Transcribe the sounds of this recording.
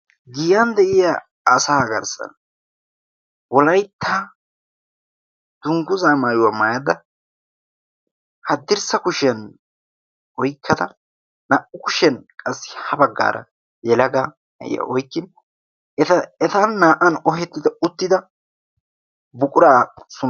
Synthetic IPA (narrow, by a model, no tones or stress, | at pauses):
ɡɪjɐnd̪ɛʔɪjaː | saːɡɐɾsɐ̰n | wɔlɐjt̪ʰːaː | d̪̥ʊŋɡʊzaːmaːjʊwɐmajɐd̪ɐ | hɐd̪ːɪɾsɐkʊʃɛn | ʔɔjkʰːɐd̪ɐ | naʔʊkʊʃɛnkʼɐsːɪ̥hɐbɐɡːa̰ːɾɐ̰ | jɛlɐɡa | nɐ̰ʔɪ̰ja̰ʔɔjkːɪn | ɛt̪ɐɛt̪ɐnːaːʔɐnɔɦɛt̪ːɪd̪ɐʊt̪ːɪd̪ɐ | bʊkʼʊɾaːsʊ